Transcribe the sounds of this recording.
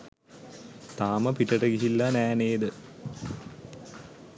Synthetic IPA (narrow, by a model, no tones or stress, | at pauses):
t̪aːməpiʈəʈəɡiɦilːanæːneːd̪ə